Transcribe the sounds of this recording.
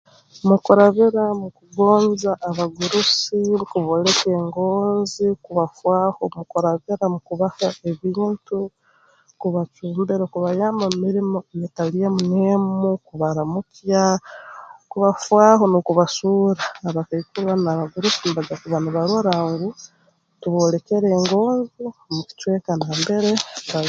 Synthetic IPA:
mukuɾaβiɾamukuɡoːnzaʔːβaɡuɾusikuβoleke̞ːŋɡoːnzikuβafwaːhomukuɾaβiɾamukuβahaeβiːntu | kuβat͡ʃuːmbeɾokuβajaːmbamiɾimoejetalijamunemukuβaɾamukia | kuβafwaːɦo̞nukuβasuːɾaːβakaikuɾwanaβaɡuɾukunβad͡ʒakuβanuβaɾwoɾaːŋɡu | tuβolekeɾe̞ːŋɡo̞ːnzimuku̥t͡ʃwekanaːmbe̞ɾeβa

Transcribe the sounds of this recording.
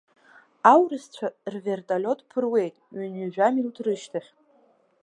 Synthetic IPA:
awrɨst͡ɕʷʰarvʲe̞rtʼalʲo̞tʼpʰɨrwe̞jtʼɥanɥiʒᶣamiltʰrɨʃtʰaχʲ

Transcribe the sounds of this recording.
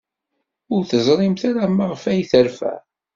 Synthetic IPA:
ʊɾθəzˤɾˤɪmθaɾaməʁəfæjθəɾfæ̰

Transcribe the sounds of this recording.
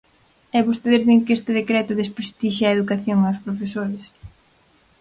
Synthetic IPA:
ɛβost̪eðeɾðeŋkest̪ɪðekɾɛt̪ʊðespɾest̪iʃaeðukaθjoŋaospɾofesoɾɪs

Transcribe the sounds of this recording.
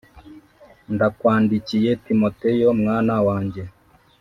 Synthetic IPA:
ndakwaːndicijetimotejomŋaːnawaːɲɟe

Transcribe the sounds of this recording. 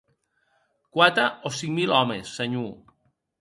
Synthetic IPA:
kwat̪ɾaosiŋmilɔmesːaɲu

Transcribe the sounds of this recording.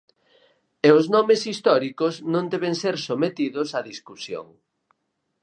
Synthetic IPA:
eʊznɔmesist̪ɔɾikoznõnd̪ɛβ̞eŋseɾsomet̪iðʊsɐðiskusjo̰ŋ

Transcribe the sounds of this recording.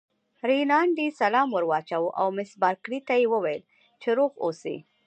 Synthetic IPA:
ɾinɑɳɖisalɑmwəɾwɑt͡ʃawuʔa̰wmɪsbɑɾkɽit̪ajewəwajəl | t͡ʃeɾoɣo̰sḭ

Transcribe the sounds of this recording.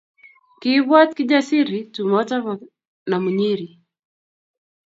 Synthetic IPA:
kiβwat̚kid͡ʒasiɾitumɔtaβa | namuɲiɾi

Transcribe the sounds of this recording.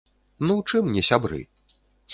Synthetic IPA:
nuwt͡ʂɨmnʲɛsʲabɾɨ̰

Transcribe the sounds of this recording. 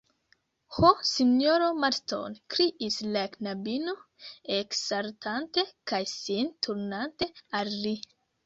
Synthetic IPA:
hosinoɾomaɾto̰nkɾiʔislaknabino | eksaɾtʰante̞kajsintʰuɾnante̞alːi

